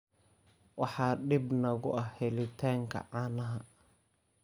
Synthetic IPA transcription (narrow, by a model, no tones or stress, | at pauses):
wɑħɑːɖɪbnɐɣʊʔɐhhɛlɪt̪ʰaːŋkʰɐ̰ʕɑːnɐɦɐ